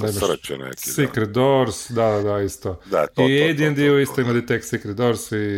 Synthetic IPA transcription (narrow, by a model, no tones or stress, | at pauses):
nemt͡ʃɛ̰nḛkisikɾet̪d̪oɾsd̪ad̪ad̪aist̪od̪aiejd̪iend̪ioist̪aimad̪it̪eksikɾet̪d̪oɾsi